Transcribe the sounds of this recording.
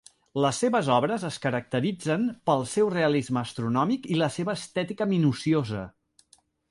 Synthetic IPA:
ləsːeβəzɔβɾəzəskəɾək̚t̪əɾid͡zənpəlˠsɛwreəlizməːst̪ɾunɔmikiləseβəːst̪ɛt̪ikəminusiozə̰

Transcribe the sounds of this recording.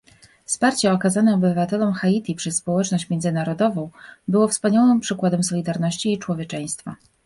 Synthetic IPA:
fspaɾt͡ɕɛɔkazanɛɔbɘvat̪ɛlɔmxait̪ʲipʂɛsːpɔwɛt͡ʂnɔɕt͡ɕmʲjɛndzɘnaɾɔd̪ɔvɔ̃w̃bɘwɔfspaɲawɘmpʂɘkwad̪ɛmsɔlʲid̪aɾnɔɕt͡ɕiːt͡ʂwɔvʲjɛt͡ʂɛj̃st̪fa

